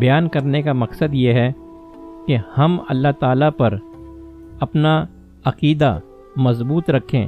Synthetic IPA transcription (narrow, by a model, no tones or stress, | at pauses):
bɐjaːnkɐɾnekamɐqsəd̪jeɦɛ | kehɐmɐ̰lːaɦt̪aːlapɐɾ | ɐpna | ɐqiːd̪a | mɐzbuːt̪ɾɐkʰḛ̃ː